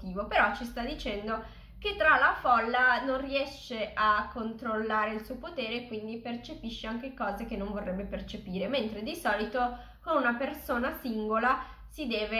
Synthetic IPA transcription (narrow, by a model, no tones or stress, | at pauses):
t̪iːvopeɾɔt͡ʃːist̪ad̪ːit͡ʃɛnd̪o | k̟et̪ːɾalafɔlːanonriɛʃeʔakːont̪ɾolːaːɾeilsuːopot̪eːɾeːkːwind̪ipert͡ʃepiʃːeaŋkekɔːzekenːõɱvorːɛbːepert͡ʃepiːɾement̪ɾed̪isɔːlit̪o | konunapersoːnasiŋɡola | sid̪ɛːve